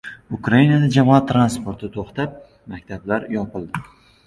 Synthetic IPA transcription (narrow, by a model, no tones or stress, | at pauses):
ʊkɾajinad̪ad͡ʒamɒat̪ʰːɾanspoɾt̪ʰɪt̪ʰoχt̪ap̚ | makʲt̪ʰablaɾjɒpɪlˠd̪ɪ